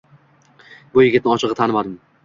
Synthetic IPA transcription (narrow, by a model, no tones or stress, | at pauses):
bʊjɪɡʲɪt̪nɪɒt͡ʃʰɨʁɨt̪ʰanɪmad̪ɪm